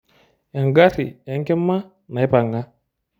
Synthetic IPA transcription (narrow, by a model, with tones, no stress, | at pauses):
ja˨ŋɡa˦tḭ˨a˨˦ŋ˦kɛ˦mːa˦ | na˨ɛ˦pa˨ŋɡa˦